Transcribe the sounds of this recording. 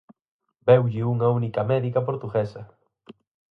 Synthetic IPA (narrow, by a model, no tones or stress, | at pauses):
bɛwʎɪuŋɐunikɐmɛðikɐpoɾt̪uɣɛsɐ